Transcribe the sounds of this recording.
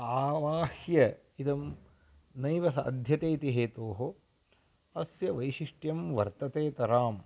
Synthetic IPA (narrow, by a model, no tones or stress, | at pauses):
aːʋaːhjɐ | it̪ɐm | nɐjʋɐsɐɐ̰d̪ʱjɐt̪eːt̪iɦeːt̪oːɦo | ɐsjɐʋɐjʃiʂʈjɐmʋɐ̰ɾt̪ɐt̪eːt̪ɐɾaːm